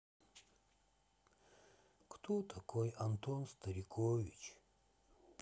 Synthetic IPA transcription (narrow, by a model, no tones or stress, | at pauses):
kt̪ʰot̪ʰɐkʰojɐnt̪onst̪ɐɾʲikʰovʲit͡ʃ